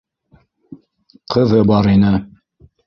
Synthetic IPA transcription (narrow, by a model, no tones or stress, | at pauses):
qɤ̆ðɤbɑɾinɘ